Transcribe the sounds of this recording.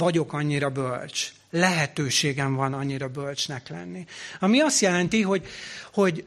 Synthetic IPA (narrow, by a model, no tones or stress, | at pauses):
ɒɟo̞kɒɲːiɾɒbø̰lt͡ʃ | lɛɦɛt̪øːʃeːɡɛɱvɒnɒɲːiɾɒbølt͡ʃnɛklɛ̰nːiɒmiɒst̪jɛlɛnt̪iɦo̞ɟho̞ɟ